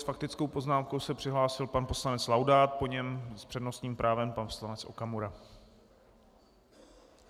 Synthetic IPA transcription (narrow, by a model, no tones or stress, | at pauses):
sfak̚t̪ɪt͡skowpo̞znaːmkowsɛpr̥ɪɦlaːsɪlpanpo̞slanɛt͡slawdaːt̪̚po̞ɲɛmspr̥ɛdno̞st̪ɲiːmpɾʔaːvɛmpanfslanɛt͡sʔo̞̰kamuɾa